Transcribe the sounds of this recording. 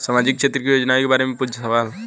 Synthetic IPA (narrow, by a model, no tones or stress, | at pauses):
saːmaːd͡ʒɪk̚kt͡ʃʃʰet̪ɾəkijoːd͡ʒnaekebaːɾemẽpʊd͡ʒʱəsəʋaːl